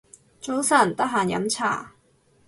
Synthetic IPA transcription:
t͡so˨˥wsɐ˨˩nt̪ɐ˥k̚ɦaː˨njɐ̰˨˥mt͡sʰa̰ː˨˩

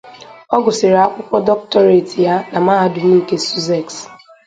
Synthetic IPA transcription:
ɔ˦ɡʊ˨sɪ˨ɾa˦kʷʊ˦pɔ˦dɔ˦k̚tɔ˦ɾe˨ti˨ja˦na˨maː˦ɦa˨dʊ˨m̩˦ke˦su˦zɛ˦˨ks

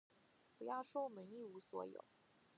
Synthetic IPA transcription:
pu˧˥jɑ˥˧ʊʂo˥mə˧˥ni˥˩u˧˥swɔ̰˧˥jo̰˨˩˦ʊ

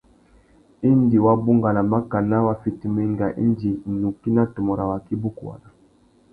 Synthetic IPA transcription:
i˦ndi˨wa˦bu˦ŋɡa˨na˨ma˦ka˨na˦wa˦fi˨ti˨mɛ˦ŋɡa˨ʔḭ˦ndi˨nu˨ki˦na˦tɔ˨mɔ˨ɾa˨wa˨ki˦bu˦ku˨wa̰˨na˨

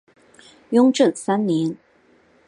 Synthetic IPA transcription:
jʊ˥ŋʈ͡ʂə˥˨nsa˥nnjɛ˧˥n

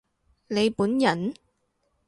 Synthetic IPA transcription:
ne˨˧jpuː˨˥njɐ˨˩n

